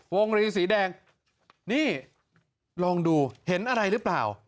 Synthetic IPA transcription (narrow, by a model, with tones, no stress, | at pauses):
wo˧ŋɾiː˧s̬iː˩˦dɛː˧ŋ | niː˥˩ | lɔː˧ŋduː˧he˩˦nʔa˧ɾa˧jɾɯː˦˥plaː˨˩w